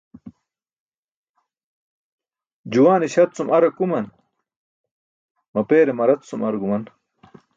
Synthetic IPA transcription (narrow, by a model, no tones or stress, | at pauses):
d͡ʑuwaːniɕɐt̪t͡sumɐɾɐkumɐn | mɐpeːɾemɐɾɐt̪sumɐɾɡumɐn